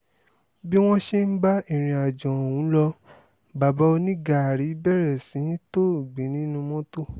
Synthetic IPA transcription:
bi˦w̃ɔ̃˦ʃe˦n̩˦ba˦i˦˨ɾ̃ĩ˧a˨d͡ʒɔ̃˨o˨wũ˨˦lɔ˧ | ba˨ba˨˧˦o˧nĩ˦ɡa˨ɾi˨˦bɛ˦˨ɾɛ˨sĩ˨˦to˦˨ɡ͡be˨˦nĩ˦nũ˧mɔ̃˦to˦˨

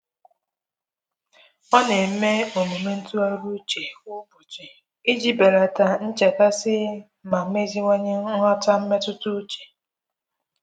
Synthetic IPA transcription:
ɔ˦ne˨m̩˦me˦o˨mu˨me˦n̩˦tu˦a˦ɾu˦t͡ʃe˨u˦bu˨t͡ʃe˨ | i˦d͡ʒi˦be˨ɾa˨ta˨n̩˦t͡ʃe˨ka˦sɪ˦ | ma˨m̩˦me˦zi˦ŋʷe˦ɲe˦ŋʷɔ˦ta˦m̩˦me˦tʊ˦tʊ˦t͡ʃe̥˨

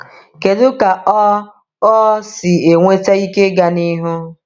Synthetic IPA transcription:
ke˨dʊ˦ka˨ɔ˦ | ɔ˦sɪ˨e˨ŋʷe˦te˦i˦ke˦ɡa˨ni˦ɦʊ˦

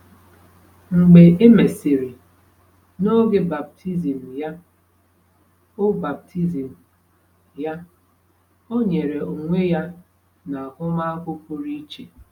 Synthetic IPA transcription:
ŋ͡m̩˨ɡ͡be˨ʔe˦me˨sɪ˨ɾi˨ | no˦ɡe˨ba˨b̚tʰi˦zi˨m̩˨ja˦ | o˦ba˨b̚tʰi˦zi˨m̩˨ | ja˦ | o˦ɲe˨ɾe˨u˨ŋʷe˦ja˦ | na˨a˨kʊ˦ma˦a˦kʷʊ˦pʊ˦ɾi˦t͡ʃe˨

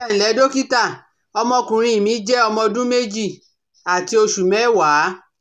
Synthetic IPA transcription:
n̩˨lɛ˨˦do˦ki˦ta˦˨ | ɔ˧mɔ̃˧kũ˨ɾ̃ĩ˧˦i˨mĩ˨˦d͡ʒɛ˦ɔ˧mɔ̃˧dũ˦me˦d͡ʒi˦˨ | a˨ti˧˦o˧ʃu˨mɛ̃˨˦˨wa˨˦

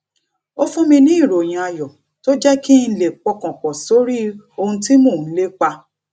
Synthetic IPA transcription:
o˦fũ˦mĩ˧nĩ˦i˦˨ɾo˨j̃ĩ˧a˧jɔ˨ | to˦d͡ʒɛ˦ki˦n̩˦le˨k͡pɔ˧kɔ̃˨k͡pɔ̃˨so˨˦ɾi˦ | o˧hũ˧ti˦mõ˦˨˦le˦k͡pa˧

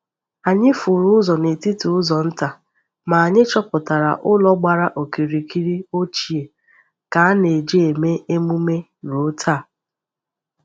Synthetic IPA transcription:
a˨ɲɪ˦fʊ˨ɾʊ˦ʊ˦zɔ˨ne˨ti˦tu˨ʊ˦zɔ˨n̩˦ta˨ | ma˨a˨ɲɪ˦t͡ʃɔ˦pʊ˨ta˨ɾa̰˨ʔʊ˦lɔ˦ɡ͡ba˨ɾa˦ʔo˨ki˨ɾi˨ki˦ɾi˦o˦t͡ʃi˨e˨ | ka˨˦a˦ne˨d͡ʒe˦e˨me˦e˦mu˦me˦ | ɾo˦tʰa˦˨

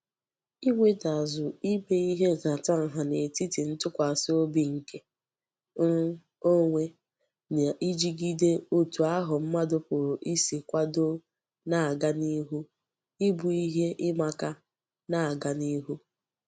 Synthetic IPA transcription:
i˦ŋʷe˦da˨zʊ˨i˦be˨i˦ɦe˦za˨ta˦ŋ̩˨ɦa˨ne˨ti˦ti˨n̩˦tʊ˦kʷa˨a˨sɪ˦o˦bi˦ŋ̩˨ke˦ | o˦ŋʷe˦ | na˨ʔi˦d͡ʒi˦ɡi˦de˦o˦tu˨a˦ɦʊ˨m̩˦ma˦dʊ˦pʊ˨ɾʊ˨ʔi˦si˨kʷa˦do˦ | na˨a˨ɡa˦ni˦ɦu˦ | ɪ˦bu˨i˦ɦe˦ʔɪ˦ma˦ka˦ | na˦˨a˨ɡa˦ni˦ɦu˦

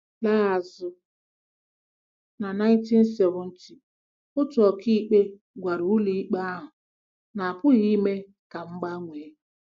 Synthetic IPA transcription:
la˦a˨zʊ˦ | na˨na˦t͡ʃi˦n̩˦se˨ɣʊ˨˦n̩˦t͡ʃi˦ | ʊ˦tʊ˨ɔ˨ki˦k͡pe˦ | ɡʷa˨ɾu˨ʊ˦li˦i˦k͡pa˦a˦ɦʊ˨ | na˨a˨pʊ˦ɣi˦me˦ | ka˨ŋ͡m̩˦ɡ͡ba˦ŋʷeː˨˦

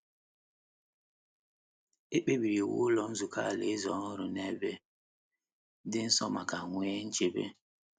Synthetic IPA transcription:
e˦k͡pe˦bi˨ɾi˨wʊ̰˦lɔ˨n̩˦zu˨ka˦˨le˨˦zɔ˨˦n̩˦ɦʊ˦˨ɾʊ˨ne˦˨be˦ | dɪ˦n̩˦sɔ˦ma˨ka˨ŋʷ˦e˦n̩˦t͡ʃe˦bḛ˦

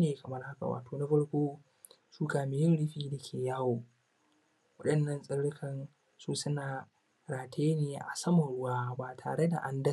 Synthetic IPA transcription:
neː˨kɐ˨mɐ˦rha˦ka̰˨wa̰ː˨toː˨na˦ɸɐ˦ɽkʷoː˦ | suː˦kaː˨mɪ˦jɪ˦nɽɪ˦ɸiː˦da˨kʲʰeː˨jaː˦woː˨ | wɐ˦ɗɐ˨nːɐ˨nsʼɪ˦ɽɽɪ˦kʰɐ˨n | suː˦sʊ˦naː˨ | ɽaː˨tʰeː˦neː˨ʔa̰˨sɐ˦mɐ˨ɽʊ˦waː˦baː˨tʰa̰ː˨ɽe˦da̰˨ʔa˦ndɐ˦

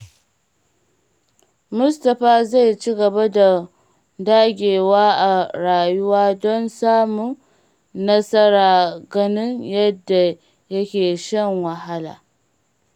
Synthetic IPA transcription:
mʊ˦sta˨ɸa˦za˦jt͡ʃi˦ɡɐ˨ba˦da˨ | daː˦ɡʲeː˨waː˦a˨ɾa˨ju˦waː˦dɔ˦nsaː˦mu˦ | na˦sa˦ɾa˨ɡɐ˨ni˦nja˦dːa˨ | jɐ˦kʲeː˨ʃɛ˦˨nwa˨ɦa˦la̰˨

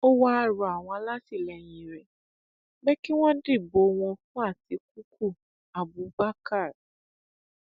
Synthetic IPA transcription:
o˦wa˦a˦˧˨ɾɔ˨a˨w̃ɔ̃˧la˦ti˦˨lɛ˨j̃ĩ˨ɾɛ˨ | bɛ˦ki˦w̃ɔ̃˦di˦˨bo˨˦w̃ɔ̃˧fũ˦a˦˨ti˧k̚u˦ku˦˨ | a˨bu˨ba˦ka˦˨ɾ

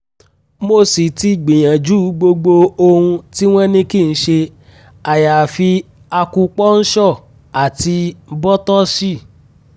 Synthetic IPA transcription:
mo˦˨si˨ti˧ɡ͡bĩ˨j̃ã˨d͡ʒu˦˨˦ɡ͡bo˧ɡ͡bo˧o˧hũ˧ti˦w̃ɔ̃˦nĩ˦ki˦˨n̩˦ʃe˧ | a˨ja˨fi˧ | a˧ku˧k͡pɔ˦n̩˦ʃɔ˦˨ | a˨ti˧bɔ˦tɔ˦si˦˨

